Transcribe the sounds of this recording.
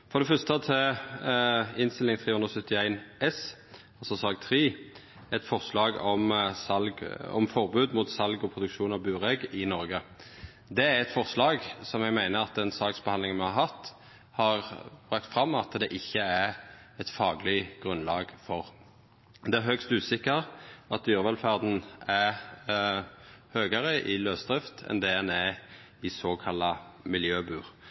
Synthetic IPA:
fɔʁd̪ɛfœst̪ət̪ʰɛ | ɪnst̪ɪlɪŋt̪ʰʁiːhʉnd̪ʁəsœt̪ːɪæɪnɛs | ɑlsɔsɑːɡt̪ʰʁiː | ɛt̪fɔʁslɑːɡɔmsɑlɡɔ̰mfɔʁbʉːd̪muːt̪sɑlɡɔpʰʁʊd̪ʉkʃuːnɑʋbʉːʁɛɡɪnɔɾɡə | d̪ɛæɾɛt̪fɔʁslɑːɡsɔmjɛɡmæɪnəɾɑt̪̚d̪ɛnsɑːksbəhɑnlɪŋmɛhɑhɑt̪ː | hɑʁbʁɑkt̪fʁɑmːɑt̪d̪ɛʔɪçːəæɛt̪fɑːɡlɪɡ̥ʁʉnlɑːɡfɔʁ | d̪ɛæɾɦœkst̪ʉːsɪkːəʁɑt̪̚d̪yːʁʋɛlfæʁd̪n̩æ | høːɡəʁəʔɪløːsd̪ʁɪft̪ʰɛ̰nd̪ɛænɛː | ɪsoːkʰɑlːɑmɪljøːbʉːʁ

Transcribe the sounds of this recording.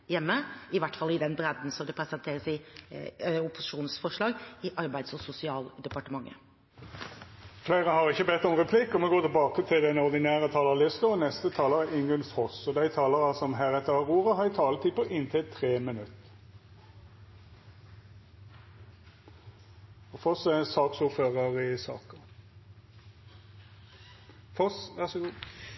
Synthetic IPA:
jɛmːəɪʋæʈːfɑlɪd̪ɛnbɾɛd̪nsɔmd̪ɛpʰɾɛsɛnt̪ʰeːɾəsɪ | ʊpːʊsɪ̥ʃuːnsfɔʂɭɑːɡɪʔɑɾbæɪd̪sɔsʊsɪɑːld̪ɛpɑʈəmɑŋːʔə̰ | fleɪʁəhɑʁɪçəbɛt̪ːɔmʁɛpʰlɪkːɔmɛɡoːt̪ʰɪlbɑːkət̪ʰɪld̪ɛnɔʁd̪ɪnæːʁət̪ʰɑːləʁlɪsk̪əɔnɛst̪ət̪ʰɑːləʁəɪŋɡənshɔsɔd̪æɪt̪ʰɑːləʁɑsɔmɦæːʁɛt̪ːəɑʁuːʁəɦɑjɪt̪ʰɑːlət̪ʰipʰɔʔɪnt̪ʰɪlt̪ʰʁeːmɪnʉt̪ː | ɔfɔsæsɑːksuːʁføːʁəʁɪsɑ̰ːkə | fɔsʋæʁsɔɡuː

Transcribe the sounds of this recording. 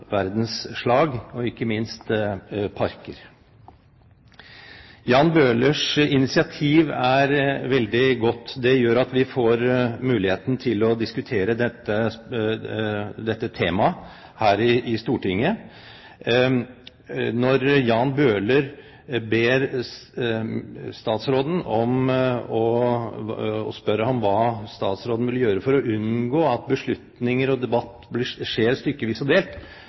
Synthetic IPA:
ʋæɾd̪n̩sʂɭɑːɡɔɪkːəmɪnst̪pʰɑɾkəɾ | jɑːnbøːləʂɪnɪsɪɑt̪ʰiːʋæɾʋɛld̪ɪɡɔt̪ːd̪ɛjøːɾɑt̪ʋɪfoːɾmʉːlɪheːt̪nt̪ʰɪlɔd̪ɪskʉt̪ʰeːɾəd̪ɛt̪ːə | d̪ɛt̪ːət̪ʰeːmɑ | hæːɾɪɪst̪uːʈɪŋːə | nɔɾjɑːnbøːləɾ | beːɾ | st̪ɑːt̪sɾoːd̪n̩ɔmɔ | ɔ̰spœɾəhɑmʋɑːst̪ɑːt̪sɾoːd̪n̩ʋɪlːəjøːɾəfɔɾɔʔʉnɡoːɑt̪̚bəʂɭʉt̪nɪŋəɾɔd̪ɛbɑt̪ːblɪʂeːɾʂt̪ʏɾkːəʋiːsɔd̪eːlt̪

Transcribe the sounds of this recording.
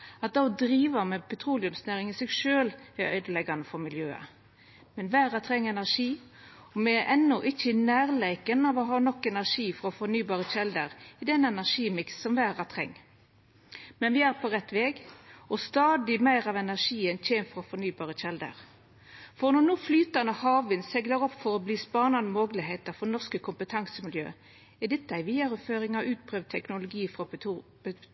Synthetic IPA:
ɑt̪̚d̪ɑɔd̪ɾiːʋɑmɛpʰɛt̪ʰɾuːlɪʉmsnæːɾɪŋɪsɛɡʂøːlæœ̰ʏd̪əlɛɡɑnəfɔɾmɪljøːə̰ | mɛnʋæːʁɑt̪ʰɾɛŋːɛnæʁʂiː | ɔmɛʔɛnːɔʔɪçənæːʁleɪkənɑʋɔɦɑːnɔkːɛnæʁʂiːfɔʁɔfɔnyːbɑːʁəçɛld̪əɾɪd̪ɛnɛnæʁʂiːmɪksːɔmʋæːɾɑt̪ʰʁɛ̰ŋː | mɛnʋɪæːʁpʰɔʁɛt̪ːʋeːɡɔst̪ɑːd̪ɪmæɪʁɑʋɛnæʁʂiːənc͡çʰeːnfɔʁɔfɔnyːbɑːʁəçɛld̪ə̰ʁ | fɔʁnɔnuːflyːt̪ɑnəhɑːʋɪnsɛɡləʁɔpːfɔɾɔbliːspɑːnɑnəmoːɡlɪɦeɪt̪əʁfɔnɔʁskəkʰʊmpət̪ʰɑŋsəmɪljø̰ː | ɛd̪ɪt̪ːæɪʋiːɑɾʉføːʁɪŋɑʔʉːt̪̚pʰʁøːʋd̪̚t̪ʰɛknʊlʊɡiːfʁɔ̥

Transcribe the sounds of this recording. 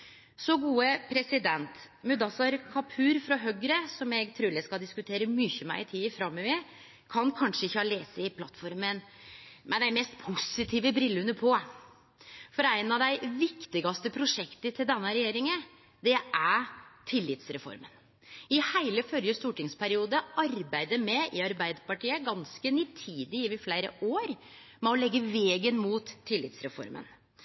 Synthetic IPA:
sɔɡuːəpʰɾɛsɪd̪ɛnt̪mʉd̪ɑsɑɾkʰɑpʰʉːɾfɾɑɦœɡɾəsɔmɛɡt̪ʰɾʉːɖ̪æskɑld̪ɪskʉt̪ʰeːɾəmyçəmæɪɪt̪ʰiːəfɾɑmːɔʋɛ | kʰɑnkʰɑnʂəɪçːəɑleːsəɪpʰlɑt̪ːfɔɾmənmɛd̪æɪmɛst̪pʰʊsɪt̪ʰiːʋəbɾɪlːʉnːəpʰɔ | fɔɾæɪnɑʋd̪æɪʋɪkt̪ɪɡɑst̪əpʰɾʊʂɛkt̪ət̪ʰɪld̪ɛnːəɾɛjeːɾɪŋə | d̪ɛʔæʈ̪ʰɪlːɪt̪sɾɛfɔ̰ɾmən | ɪhæɪləfœljəst̪uːʈɪŋspʰæɾɪuːd̪əɑɾbæɪd̪əɾmɛɪɑɾbæɪd̪pɑʈiːəɡɑnskənit̪ʰiːd̪ɪɪʋɪflæɪɾə̰ʔoːɾ | mɛɔlɛɡːəʋeːɡənmuːt̪ʰːɪlːɪ̰t̪sɾɛ̰fɔ̰ɾmə̰n

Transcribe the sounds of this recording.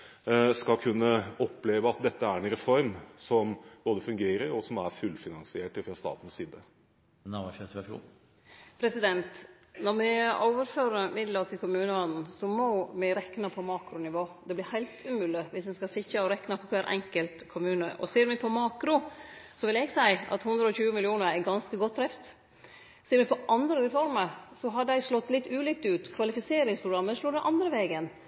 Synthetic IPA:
skɑlkʰʉnːəɔpːleːʋəɑt̪̚d̪ɛt̪ːəæɾɛnɾɛfɔɾmsɔmb̥oːd̪əfʉŋɡeːɾəɾɔsɔmæɾfʉlfɪnɑnsɪeːʈfɾɑst̪ɑ̰ːt̪n̩siːd̪ə | ɑʋɑføt̪æfṵ | pʰɾɛsɪd̪ɛnt̪ | nɔɾmɪoːʋəɾføːɾəmɪd̪lət̪ʰɪlkʰʊmʉːnəɑd̪n̩sɔmɔmɪɾɛknəpʰɔmɑːkɾʊnɪʋoːd̪ɛblɪɾhæɪlt̪ʰʉmʉːlɪʋɪsmɛnskɑsɪçəɔɾɛknɑpʰɔkʰæɾʔɛ̰ŋkəlt̪kʰʊmʉːnəʔɔ̰seːɾmɛpʰɔmɑːkɾʊsɔʋɪlɛɡsæɪɑ̰t̪hʉnd̪ɾəɔçʉːəmɪlɪuːnəɾɛɡɑnskəɡɔt̪̚ʰːɾɛft̪ | seːɾmɛpʰɔʔɑnd̪ɾəɾɛfɔɾməɾsɔɦɑɖ̪æɪʂlɔt̪ːlɪt̪ːʉːliːkt̪ʉːt̪kʰʋɑlɪfɪseːɾɪŋspʰɾʊɡɾɑmːəʂloːd̪ɛʔɑnd̪ɾəʋeːɡən

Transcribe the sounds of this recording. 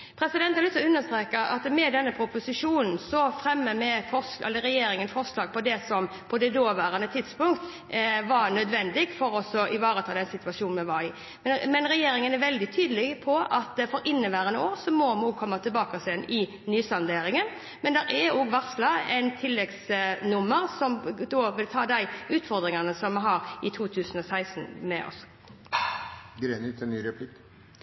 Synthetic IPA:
pʰɾɛsɪd̪ɛnt̪hɑɾlɪt̪sɔʉnːəʂt̪ɾeːkəʔɑ̰t̪mɛd̪ɛnːəpʰɾʊpʊsɪʂuːnn̩sɔfɾɛmːəmɛfɔsʔɛlːəɾɛjeːɾɪŋənfɔʁʂlɑːɡ̚pʰɔd̪ɛsɔm | pʰɔd̪ɛd̪oːʋæːɾɑnət̪ʰɪd̪spʊŋkt̪ | ʋɑɾnœd̪ʋɛnd̪ɪɡfɔɾɔsɔʔɪʋɑːɾət̪ʰɑːd̪ɛnsɪt̪ʉɑʂuːnmɛʋɑɪ | mɛnɾɛjeːɾɪŋənæʋɛld̪ɪt̪ʰyːd̪əlɪɡpʰɔɑt̪fɔɾɪnːəʋæːɾənoːɾsɔmɔmuːkʰɔmːɑt̪ʰɪlbɑːkɑsɛnɪ | nyːsɑnd̪eːɾɪŋən | mɛnd̪ɛɾɛoːɡʋɑʁslɑɛɪnt̪ʰɪlːɛɡsnʊmːəɾsɔmd̪oːʋɪlt̪ʰɑːd̪æɪʉːt̪fɔʁd̪ɾɪŋɑnəsɔmːɛɦɑɾɪt̪ʰuːt̪ʰʉːsən̩ɔsæɪsnmɛʔɔ̰s | ɡɾenɪt̪ʰɛnnyːɾɛpʰlɪk

